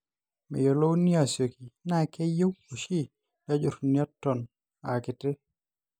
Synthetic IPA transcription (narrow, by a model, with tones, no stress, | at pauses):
mɛ̰˨jo˨lo˦wni˦a˨sjo˨ki˨na˦˨kɛ˦jo˦wo˨ʃi˦ | da˦d͡ʒo˨ɾnja˦tːɔ˨n | a˨kɪ˨tɪ˦